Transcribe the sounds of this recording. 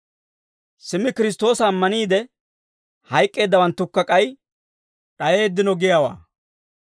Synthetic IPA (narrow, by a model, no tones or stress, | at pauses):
sɪmɪkɪɾɪs̬t̪o̞ːsɐːmːɐniːd̪ɛ | hɐjkʼːe̞ːd̪ːɐwɐnt̪ːʊkːɐkʼɐj | ᶑɐje̞ːd̪ːɪnɔɡɪjawa̰ː